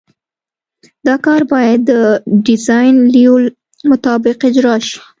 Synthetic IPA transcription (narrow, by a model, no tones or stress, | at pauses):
d̪ɑkɑɾbɑjad̪ːəɖɪzɑjnliul | mʊt̪ɑbɪqɪd͡ʒɾɑʃi̥